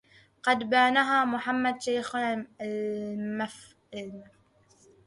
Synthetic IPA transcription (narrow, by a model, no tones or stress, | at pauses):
qɑd̪banaɦaːmʊħamːad̪ʃajx | maf